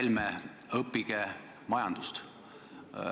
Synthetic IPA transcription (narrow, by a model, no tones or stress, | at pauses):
lme | ɤpːˑiɡ̥e | mɑjɑnd̪ust̪